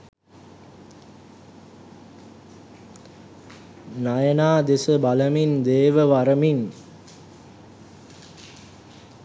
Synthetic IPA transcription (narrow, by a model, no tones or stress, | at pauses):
najənaːd̪esəbaləmind̪eːʋəʋaɾəmin